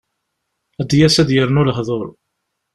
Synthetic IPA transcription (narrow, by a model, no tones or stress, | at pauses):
æd̪jæsæðjəɾnʊləɦðˤoɾˤ